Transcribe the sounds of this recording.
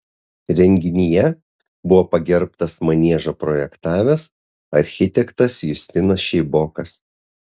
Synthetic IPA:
ɾʲɛŋʲɡʲɪnʲijɛ | bʊʋoːpɐɡʲɛɾpt̪ɐsmɐnʲiɛʒopɾɔjɛkt̪ɑːʋʲɛs | ɐɾʲxʲɪt̪ʲɛkt̪ɐsjʊsʲt̪ʲɪnɐsʃʲɛɪboːkɐs

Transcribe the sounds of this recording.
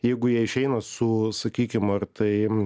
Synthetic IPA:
jɛɪɡʊjiɛɪʃʲɛɪnɐsʊsɐkʲiːkʲɪmɐrt̪ʰɐɪ

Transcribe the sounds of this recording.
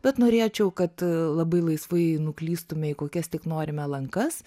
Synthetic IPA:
b̥ʲɛt̪noːɾʲeːt͡ʃʲɛʊkɐt̪lˠɐbɐɪlˠɐɪsʋɐɪnʊklʲiːst̪ʊmʲɛɪkoːkʲɛst̪ʲɪknoːɾʲɪmʲɛlˠɐŋkɐs

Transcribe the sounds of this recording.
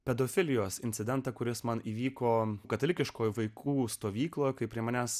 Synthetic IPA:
pʲɛd̪oːfʲɪlʲɪjoːsɪnʲtsʲɪd̪ʲɛnt̪ɐkʊɾʲɪsmɐniːʋʲiːkoːkɐt̪ɐlʲɪkʲɪʃkoːjʋɐɪkʰuːst̪oːʋʲiːklˠoːjkɐɪpʲɾʲiɛmɑnʲæs

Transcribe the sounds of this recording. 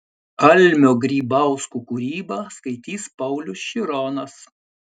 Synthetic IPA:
ɐlʲmʲoːɡɾʲiːbɐˑʊskuːkuɾʲiːbɐːskɐɪt̪ʲiːspɐʊlʲʊsʃʲiɾɔnɐs

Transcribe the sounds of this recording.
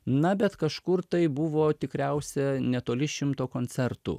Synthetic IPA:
nɐbʲɛt̪kɐʃkʊɾt̪ɐɪbʊʋoːt̪ʲɪkɾʲɛʊsʲɛnʲɛt̪oːlʲɪʃʲɪmt̪oːkoːnʲsʲɛɾt̪ṵ

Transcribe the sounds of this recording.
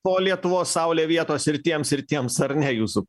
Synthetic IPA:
poːlʲiɛt̪ʊʋoːsːɐʊlʲeːʋʲiɛt̪oːsɪɾt̪ʲiɛmsɪɾt̪ʲiɛmsɐɾnʲɛjuːsʊ

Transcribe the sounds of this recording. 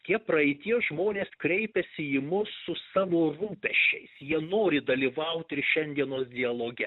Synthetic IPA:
t̪ʲiɛpɾɐɛɪt̪ʲiːsʒmoːnʲeːskɾʲɛɪpʲɛsʲɪɪmʊssʊsɑːʋoːruːpʲɛʃʲt͡ʃʲɛ̰ɪsjiɛnoːɾʲɪd̪ɐlʲiʋɐʊt̪ʲɪɾʃʲɛnʲd̪ʲiɛnoːsd̪ʲɪɐlˠoːɡʲɛ

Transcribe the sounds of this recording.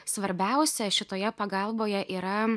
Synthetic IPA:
sʋɐɾʲbʲɛʊsʲɛʃʲɪt̪oːjɛpɐɡɐlˠboːjɛʔiːɾɐ

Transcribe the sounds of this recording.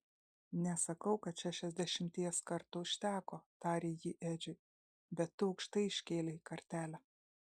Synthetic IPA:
nʲɛsɐkɐʊkɐt̪ʃʲæʃʲɛzʲd̪ʲɛʃʲɪmʲt̪ʲiɛskɐɾt̪ʊʃʲt̪ʲæːkoːt̪ɑːɾʲeːjiːʔæːd͡ʒʲʊɪ | bʲɛt̪ːʊɒʊkʃt̪ɐɪɪʃʲkʲeːlʲekɐɾʲt̪ʲæːlʲæ

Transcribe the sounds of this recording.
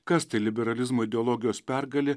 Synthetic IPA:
kɐst̪ɐɪlʲɪbʲɛɾɐlʲɪzmoːɪd̪ʲɛɔːlˠɔːɡʲɪjoːspʲæɾɡɐlʲɪ

